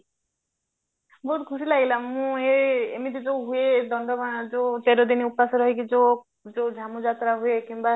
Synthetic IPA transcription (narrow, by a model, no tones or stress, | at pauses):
bɔɦut̪kʰusilaɡilamũeemid̪id͡ʒoɦued̪ɔnɖ̪ɔbãd͡ʒot̪eɾod̪iniupasɔɾɔɦjkid͡ʒo | d͡ʒod͡ʒʱamud͡ʒat̪ɾaɦuekĩmba